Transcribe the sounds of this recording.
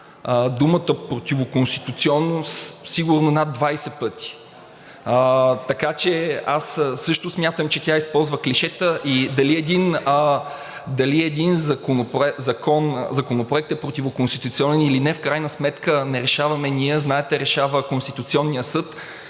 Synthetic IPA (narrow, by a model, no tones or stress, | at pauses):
əd̪umət̪əpɾot̪ivokonst̪it̪ut̪siɔnːossiɡuɾnonad̪ːvajsɛpɤt̪i̥ | ət̪ɐkat͡ʃɛasːɤʃt̪ʊsmʲjat̪əmt͡ʃɛt̪ʲjaispɔlˠzvəkliʃɛt̪əʔid̪ɐliɛd̪inə | d̪ɐliɛd̪inzɐkonopɾɛzɐkɔnzɐkonopɾoɛk̚t̪ɛpɾot̪ivokonst̪i̥t̪ut̪siɔnɛnilinɛfkɾajnəsmɛt̪kənɛɾɛʃavɐmɛniɛznaɛt̪ɛɾɛʃavəkonst̪it̪ut̪siɔnːijəsɤt̪